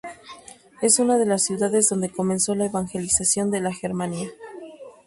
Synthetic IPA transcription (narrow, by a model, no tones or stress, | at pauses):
e̞sunaðe̞lasːjuðaðe̞zðo̞nd̪e̞ko̞mẽ̞nso̞laeβaŋxe̞lisasjo̞nd̪e̞laxeɾmãnia